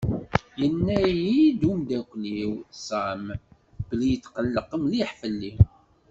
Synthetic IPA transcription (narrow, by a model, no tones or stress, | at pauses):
jənːæjid̪umd̪ækʷːliwsæm | b̥əlijət͡sːqəlːəqəmliħfəlːi